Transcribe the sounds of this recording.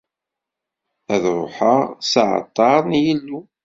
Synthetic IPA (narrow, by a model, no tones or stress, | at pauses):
æðɾˤʊħəʁsəʕə̰t̪ˤːɑɾˤnjəlːu